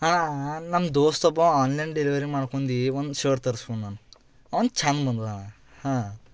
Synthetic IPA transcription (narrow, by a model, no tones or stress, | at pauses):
hanɐmd̪oːst̪ɔbɐ̃aːnlɐjnɖeliʋɐɾimaːɽkoɳd̪iʋond̪ʃeːɾt̪ɐɾskoɳnaːnu | ɐʋɐnd̪t͡ʃaːnbɐnd̪uana | hãː